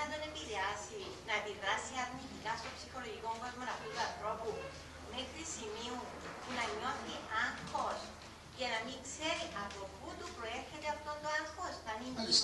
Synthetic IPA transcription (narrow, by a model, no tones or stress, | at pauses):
d̪one̞piðeɐsinɐepiðɾɐsiɐɾnit̪ikɐst̪o̞psixo̞lo̞ʝiko̞ɱvozmonɐpit̪uɐnθɾo̞pu | mexɾisimiu | punɐɲo̞θiaŋxo̞s | ce̞nɐmiŋkse̞ɾiʔɐpo̞put̪upɾo̞e̞ɾçe̞t̪eɐft̪o̞nd̪oaŋxo̞st̪ɐninis